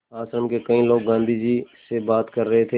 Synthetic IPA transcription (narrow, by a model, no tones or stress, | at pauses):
aːsɾəmkekɐĩloːɡːãːnd̪ʱid͡ʒisebaːt̪kɐɾːɐɦet̪ʰe